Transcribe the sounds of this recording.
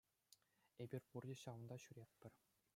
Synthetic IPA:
ebʲirʲpurdʲiɕɑʋɤ̆nd̪ɑɕyɾʲet̪̚ʲpʲɘ̆rʲ

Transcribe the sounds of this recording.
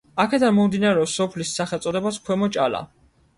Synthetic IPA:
akʰɛd̪anmɔmd̪inaɾɛɔsɔpʰlisːaχɛlˠt̪sʼɔd̪ɛbaskʰwɛmɔt͡ʃʼala̰

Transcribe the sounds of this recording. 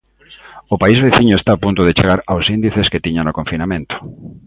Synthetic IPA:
ʊpaizβeθiɲʊest̪aːpunt̪ʊðet͡ʃeɣaɾawsind̪iθesket̪iɲanokoɱfinamẽnt̪ʊ̥

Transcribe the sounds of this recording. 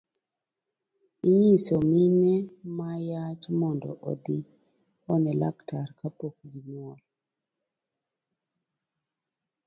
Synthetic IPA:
iɲisominɛmajat͡ʃmɔndɔ̰ʔɔ̰d̪i | ɔnɛla̰ktaɾkapok̚ɡimwɔl

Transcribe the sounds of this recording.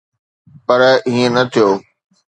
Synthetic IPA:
pɐɾɦĩːə̃nɐt̪ʰijoː

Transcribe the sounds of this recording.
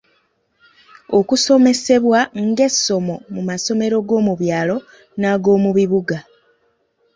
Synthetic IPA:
o̞kuso̞me̞se̞βwaŋɡe̞sːo̞mo̞mumaso̞me̞ɾo̞ɡo̞ːmuβjaːlo̞ | naɡo̞ːmuβiβuɡa

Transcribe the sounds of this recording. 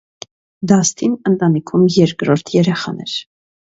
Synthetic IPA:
d̪ɑst̪ʰinənt̪ɑnikʰumjɛɾkɾɔɾt̪ʰjɛɾɛχɑnɛɾ

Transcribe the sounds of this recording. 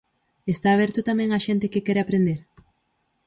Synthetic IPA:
est̪aːβ̞ɛɾt̪ʊt̪amẽŋaʃẽnt̪ɪkɪkɛɾeapɾend̪eɾ

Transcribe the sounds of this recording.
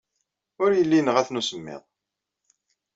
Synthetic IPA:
ʊɾjəlːinəʁæθnusəmːɪ̰ðˤ

